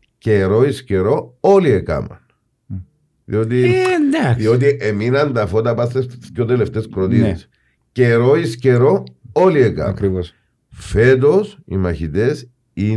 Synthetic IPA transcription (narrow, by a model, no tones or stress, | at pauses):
ceɾo̞isceɾooliekɐ̰mɐ̰n | ðḭot̪̬ind̪aðiot̪̬iʔeminɐnd̪ɐfot̪ɐpɐst̪esçot̪eleft̪eskɾot̪iɾs | ceɾoisceɾo̞oliekɐ̰mɐɾios | fe̞t̪̬osḭmɐçit̪es | i